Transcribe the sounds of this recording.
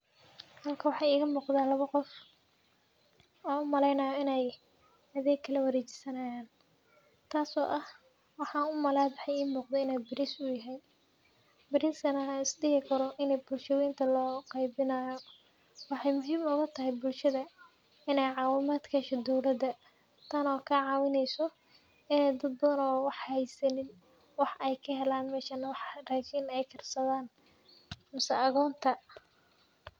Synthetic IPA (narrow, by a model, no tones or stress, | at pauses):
hɐlkʰɐwɑħɑːiːɣɐmuːqd̪aːlɐβɐqɔf | ɔːʊmɐlɛjnɐːjɔɪnɛj | ɐðɛːɡkʰːɐlɐwɐɾeːt͡ʃɪ̥sɐnaːjaːn | t̪ʰaːsɔ̰ːʔɐh | wɑħɑːʊmɐlaːɑħɑjiːmuːqd̪ɛɪnɛjbɪɾɪsʊjɐɦɛj | bɪɾɪskɐnɐɪsdɪhɪkʰɐɾɔʔɪnɛjbʊlʃɐwiːnt̪ʰɐlɔːqɑjbɪnaːjɔ | wɑħɑjmʊɦiːmʊɣɐt̪ʰɐɦɛjbʊlʃɐðɐ | ɪnɛjʕɑːwɪmaːd̪kʰɐʃɔd̪ɔwlɐd̪ɐ | t̪ʰɐnɔːkʰɐʕɑːwɪnɛjsɔ | ɪnɛjd̪ɐd̪̚bɐðɐnɔːwɑħhɛjsɐnɪn | wɑħɛjkʰɐɦɛlaːnmɛːʃɐnɐwɑħraːkʰinɛjkʰɐrsɐðaːn | mɐsɛɐɣɔːnt̪ʰɐ